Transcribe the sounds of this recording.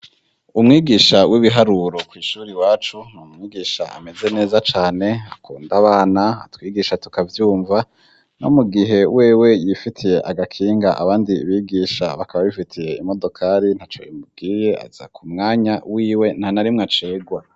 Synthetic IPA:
umŋiːɡiːʃawiβiɦaɾuɾo̞kwiːʃuːɾiwaːt͡ʃun̥umŋiːɡiːʃa̰a̰me̞ze̞ne̞ːzat͡ʃaːne̞akuːndaβaːnaa̰twiːɡiʃatu̥kavjuːɱva | no̞̰muɡiɦe̞we̞ːwe̞jifitʰije̞ʔaɡakʰiːŋɡaʔaβaːndiːβiɡiːʃa̰βakʰaβaβifitʰije̞imo̞do̞kʰaɾin̥hat͡ʃo̞̰imub̚ɡiːje̞a̰z̥a̰kʰumŋaːɲawiːwe̞n̥hanaɾimŋat͡ʃe̞ːɡwa

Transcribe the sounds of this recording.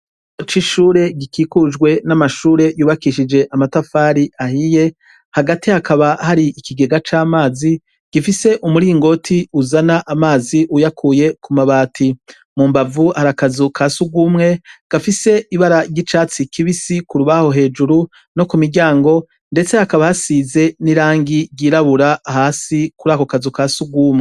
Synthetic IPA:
ot͡ʃiʃuːɾe̞ɡikiːkud͡ʒɡwe̞namaʃuːɾe̞juːβakiʃid͡ʒe̞ʔamatafaːɾiahije̞ | haɡatihakʰaβahaɾiikiɡe̞ɡat͡ʃaːmaːzi | ɡ̥ifise̞ʔumuɾiːŋɡo̞tʰiuzanaʔamaːziʔujakʰuje̞kumaβaːtʰi | mumbavuhaɾakazukʰasuɡuːmŋe̞ɡ̥afise̞iβaɾaɟit͡ʃaːt͡sikʰiβisikuɾuβaho̞ɦe̞ːd͡ʒuɾu | no̞kumiɾɟaːŋɡo̞ | nde̞t͡se̞hakaβahasize̞niɾaːŋɡiɟiːɾaβuɾaːhaːsikuɾaːko̞kazukasuɡwuːmŋe

